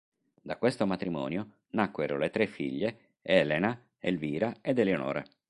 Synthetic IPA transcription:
d̪akːwest̪omat̪ɾimɔːnjo | nakːweɾo̰let̪ɾefːiʎːe | ɛːlena | elviːɾaed̪elːeono̰ːɾḛ

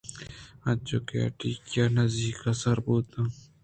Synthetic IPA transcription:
ɐ̃t͡ʃokea̰ʈiːkjanɐziːkɐsɐɾbuːt̪ã

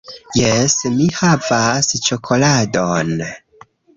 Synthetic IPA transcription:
jesmihavast͡ʃokʰo̞ladon

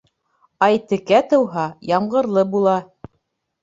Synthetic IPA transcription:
ɑjt̪ɘ̆kæt̪ɤ̆wɦɑjɑɴɢɤ̆ɾlˠɤbulˠɑ

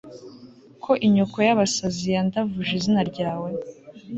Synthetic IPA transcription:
kʰo̞ʔiɲokojaβasazijandavuʒizinaɾɟaːwe̞

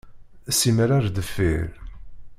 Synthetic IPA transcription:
sːiməɾaɾd̪əfːiɾ

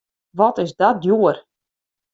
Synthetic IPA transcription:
ʋɔtɪsdɔt̚djuər

